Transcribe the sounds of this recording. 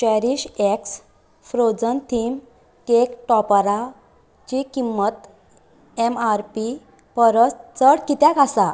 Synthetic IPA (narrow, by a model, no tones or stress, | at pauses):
ɕəɾiɕeks | fɾod͡zənt̪ʰim | kekʈɔpɾa | t͡ɕikimːət̪ | emaɾpi | pəɾət͡st͡səɽkit̪jakasa